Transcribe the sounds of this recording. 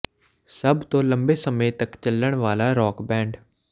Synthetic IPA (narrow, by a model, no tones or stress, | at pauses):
səbt̪õːləmbeːsəmẽːt̪əkt͡ʃəlːəɽʋaːlaːɾɔːkbɛ̃ːɳɖ